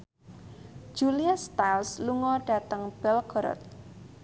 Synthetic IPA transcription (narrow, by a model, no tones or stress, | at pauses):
d͡ʒ̥uliast̪alsluŋɔɖ̥a̤t̪əŋb̥ɛlɡɔɾɔ̰t̪̚